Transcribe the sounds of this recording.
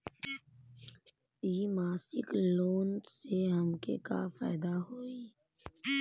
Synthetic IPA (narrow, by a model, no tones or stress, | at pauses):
iːmaːsɪ̰kloːnseɦəmkḛka̰faːɪd̪aɦoːiː